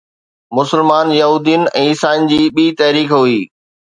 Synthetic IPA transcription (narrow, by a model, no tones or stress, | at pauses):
mʊsəlmaːnjɐɦuːd̪ijənɪ̆ɛ̃ːɪsaːɪn̆d͡ʑiːɓiːt̪ɐɦɾiːkɦʊiː